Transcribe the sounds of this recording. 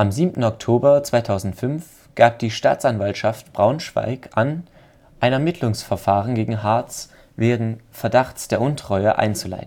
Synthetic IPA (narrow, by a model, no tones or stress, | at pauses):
ʔamziːmtn̩ɔktʰoːbɐt͡sv̥aɪtʰaʊzn̩tfʏnf | ɡ̥aːp̚d̥iːʃta̰ːt͡sanvaltʃaftb̥ʁaʊnʃv̥a̰ɪkʔan | ʔaɪnɛɐmɪtʰlʊŋsfɛɐfaːʁənɡeːɡŋ̩ɦaɐt͡s | veːɡŋ̩fɛɐdaχt͡sd̥eːɐʔʊntʁ̥ɔʏɐʔa̰ɪnt͡sula̰ɪtn̩